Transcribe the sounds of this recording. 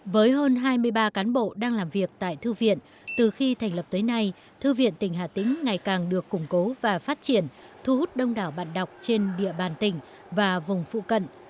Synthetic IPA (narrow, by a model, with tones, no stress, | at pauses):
vəː˨˦jɦəː˧nɦaː˧jmɨ˧əjɓaː˧kaː˨˦nɓo̰˧˨ɗaː˧ŋlaː˨˩mvi˨˩ək̚t̪a̰ː˧˨jt̪ʰɨ˧vḭ˧˨ən | t̪ɨ˨˩xi˧t̪ʰɛ˨˩ŋ̟lə˨˩p̚t̪əː˨˦jna˧j | t̪ʰɨ˧vḭ˧˨ənt̪ï˨˩ŋ̟ɦaː˧˩t̪ï˨˦˥ŋ̟ŋa˨˩jkaː˨˩ŋɗɨ˨˩əkːʊ˨˩ŋ͡mko˨˦vaː˨˩faː˦˥t̚t͡ɕi˧˩ənt̪ʰu˧hu˦˥t̚ɗə˧wŋ͡mɗaː˧˩wɓa̰ː˧˨nɗa˨˩wk͡p̚t͡ɕe˧nɗḭ˧˨əɓaː˨˩nt̪ï˨˩ŋ̟ | vaː˨˩vʊ˨˩ŋ͡mfṵ˧˨kə̰˧˨n